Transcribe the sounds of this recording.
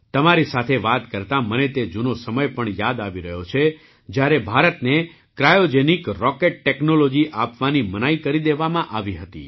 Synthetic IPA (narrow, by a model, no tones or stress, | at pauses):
t̪əmaɾisat̪ʰeʋat̪kəɾt̪amənet̪ed͡ʒunosəməjpəɳjad̪aʋiɾəɦjot͡ʃʰe | d͡ʒjaɾebʱaɾət̪ne | kɾajod͡ʒenikɾɔkeʈ̚ʈeknolod͡ʒiʔapʋanimənaikəɾid̪eʋamãʔaʋiɦət̪ḭ